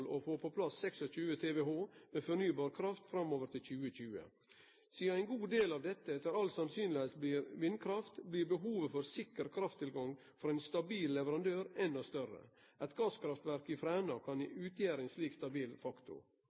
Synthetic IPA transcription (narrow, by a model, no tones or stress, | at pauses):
lofoːpʰɔpʰlɑsːɛksɔc͡çʉːət̪ʰeːʋeɦoːmeːfɔɾnyːbɑːɾkʰɾɑft̪fɾɑmːoːʋəɾʈʰɪlc͡çʉːəc͡çʉːə̰ | siːɑæɪnɡuːd̪eːlɑːʋd̪ɛt̪ːəɛt̪ːəɾɑlsɑnsyːnlɪhesbliːɾʋɪnkʰɾɑft̪bliːɾbəɦuːʋəfɔɾsɪkəɾkʰɾɑft̪ʰːɪlɡɑŋ | fɔɾæɪnst̪ɑbiːllɛʋəɾɑnd̪øːɾɛnːɔst̪œɾə̰ | ʔɛɪt̪ɡɑskʰɾɑft̪ʋæɾkɪfɾæːnɑkʰɑniʉːt̪ʰjæːɾəɛɪnsliːkst̪ɑbiːlfɑkt̪ʊ̰